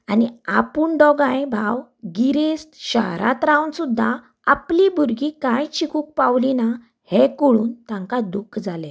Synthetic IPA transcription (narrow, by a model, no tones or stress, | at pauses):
aniapuːɳɖɔɡãjbʱawɡiɾest̪ɕa̰ɦɾa̰t̪ɾawnsud̪ʱːa | aplibuɾɡikãjt͡ɕikʰuːk̚pawlina | hekoɭuːnt̪ãŋkad̪ukʰd͡zale